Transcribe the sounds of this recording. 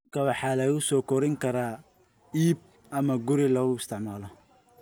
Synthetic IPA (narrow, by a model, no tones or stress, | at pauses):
kʰɐwɑħɑːlɛjʊsɔːkʰɔɾɪŋkʰɐɾaː | iːb̚ | ʔɐmɐɡʊɾɪlɔːɣʊɪst̪ʰɪʕmaːlɔ